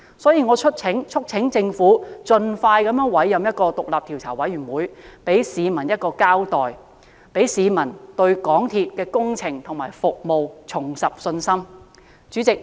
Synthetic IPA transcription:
sɔː˨˥jiː˧ŋɔː˨˧t͡ʃʰɵ˥t̚t͡sʰɪ˨˥ŋt͡ʃʰɵ˥k̚t͡sʰɪ˨˥ŋt͡sɪ˧ŋfuː˨˥t͡ʃɵ˧nfaː˧jkɐ˨˥mjœː˨˥ŋwɐ˨˥jːɐ˨˧mjɐ˥t̚kɔː˧t̪ʊ˨k̚laː˨p̚t̪ʰiː˨˩wt͡sʰaː˨˩wɐ˨˥jɥyː˨˩nwuː˨˥jpe˨˥jsiː˨˧mɐ˨˩njɐ˥t̚kɔː˧kaː˥wt̪ɔː˨j | pe˨˥jsiː˨˧mɐ˨˩nt̪ɵ˧ɥkɔː˨˥ŋt̪ʰiː˨t̚kɛː˧kʊ˥ŋt͡sʰɪ˨˩ŋt̪ʰʊ˨˩ŋmaː˨˩jfʊ˨k̚mo˨wt͡sʰʊ˨˩ŋsɐ˨p̚sɵ˧nsɐ˥m | t͡ʃyː˨˥t͡sɪ˨k̚

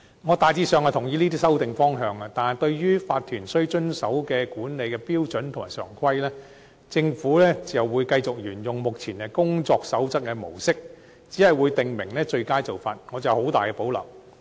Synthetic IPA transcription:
ŋɔː˨˧t̪aː˨jt͡siː˧sœː˨ŋaː˨˩t̪ʰʊ˨˩ŋjiː˧liː˥t̪iː˥sɐ˥wt̪ɪ˨ŋfɔː˥ŋɦœː˨˧ŋaː˧t̪aː˨nt̪ɵ˧ɥjyː˥faː˧t̚t̪ʰyː˨˩nsɵ˥ɥt͡ʃɵ˥nsɐ˨˥wkɛː˧kuː˨˥nle˨˧jkɛː˧piː˥wt͡ʃɵ˨˥nt̪ʰmaː˨˩sœ̰ː˨˩ŋkʰɐ˥jlɛː˥ | t͡sɪ˧ŋfuː˨˥lɛː˥t͡sɐ˨wwuː˨˧jkɐ˧jt͡sʊ˨k̚jyː˨˩njʊ˨ŋmʊ˨k̚t͡sʰiː˨˩nkɛ˧kʊ˥ŋt͡sɔː˧ksɐ˨˥wt͡sɐ˥t̚kːɛː˧mo̰˨˩wsɪ˥k̚ | t͡siː˨˥hɐ˨jwuː˨˧jt̪ɪ˨ŋmɪ˨˩ŋlɛː˥t͡ʃɵ˧ɥkaː˥jt͡so˨wfaː˨t̚ŋɔː˨˧t͡sɐ˨˩who˨˥wt̪aː˨jkɛː˧po˨˥wlɐ̰˨˩w

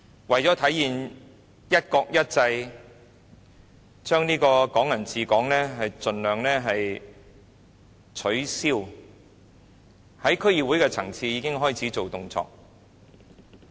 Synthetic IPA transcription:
wɐ˨jt͡sɔː˨˥t̪ʰɐ˨˥jːiː˨n | jɐ˥t̚kɔː˧k̚jɐ˥t̚t͡sɐ˧j | t͡ʃœː˥ŋniː˥kɔː˧kɔː˨˥ŋjɐ˨˩nt͡siː˨˧kɔː˨˥ŋlɛː˥ɦɐ˨jt͡sɵ˨nlœː˨ŋnɛː˥ɦɐ˨j | t͡ʃʰɵ˨˥ɥsiː˥w | hɐ˨˥jkʰɵ˥ɥjiː˨wu˨˥jkɛː˧t͡sʰɐ̰˨˩ŋt͡sʰiː˧jiː˨˧kɪ˥ŋɦɔː˥˩jt͡sʰiː˨˥t͡so˨wt̪ʊ˧ŋt͡sɔ̰ː˧k̚

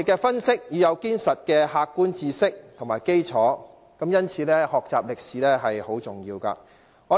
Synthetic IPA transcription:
kɛː˧fɐ˥nsɪ˥k̚jyː˨˧jɐ˨˧wkiː˥nsɐ˨t̚kɛː˧haː˧kːuː˥nt͡siː˧sɪ˥k̚tt̪ʰʊ˨˩ŋmaː˨˩jke˥jt͡sʰɔː˨˥ | kɐ˨˥mjɐ˥nt͡sʰiː˨˧lɛː˥hɔː˨k̚t͡saː˨p̚lɪ˨k̚siː˨˥lɛː˥ɦɐ˨jho˨˥wt͡sʊ˨˩ŋjiː˧wka̰ː˧ | ŋɔː˨˧

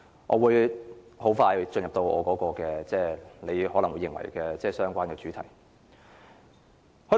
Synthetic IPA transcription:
ʔɔː˨˧wuː˨˧j | ho˨˥wfaː˧jhɵ˨˧t͡ʃɵ˧njɐ˨p̚t̪o˧wɔ̰ː˨˧kɔː˨˥kɔː˧kɛː˧t͡sɛː˥˩le˨˧jɦɔː˨˥lɐ˨˩ŋwːjɪ˨ŋwɐ̰˨˩jkɛː˧t͡sɛː˥˩sœː˥ŋkʷaː˥nkɛː˧t͡syː˨˥t̪ʰɐ˨˩j | hɵ˨˥

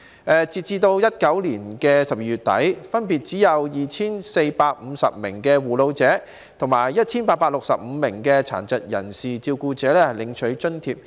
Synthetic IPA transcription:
ʔɛː˨t͡siː˨˧t̚t͡siː˧t̪o˧wjɐ˥t̚kɐ˨˥wliː˨˩nkɛː˧sɐ˨p̚jiː˧˩yː˨˩t̚t̪ɐ̰˨˥jfɐ˥npiː˨t̚t͡siː˨˥jɐ˨˧wjiː˨t͡sʰiː˥nse˧jpaː˧k̚m̩˨˧sɐ̰˨p̚mɪ̰˨˩ŋkɛː˧wuː˨˩lo˨˧wt͡sɛː˨˥ | t̪ʰʊ˨˩ŋmaː˨˩jːɐ˥t̚t͡sʰiː˥npaː˧t̚paː˧t̚lʊ˨k̚sɐ˨p̚m̩˨˧mɪ˨˩ŋkɛː˧t͡sʰa̰ː˨˩nt͡sɐ˨t̚jɐ̰˨˩nsiː˨t͡siː˧wkuː˧t͡sɛː˨˥lɛː˥hɐ˨˩jlɪ˨˧ŋt͡ʃʰɵ˨˥ɥt͡ʃɵ˥nt̪ʰiː˧p̚

